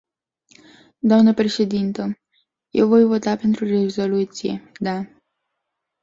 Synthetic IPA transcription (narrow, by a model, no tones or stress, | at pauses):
d̪oamnəpɾe̞ʃe̞d̪int̪ə | jewvo̞jvo̞t̪ape̞nt̪ɾure̞zo̞lut̪sijḛd̪a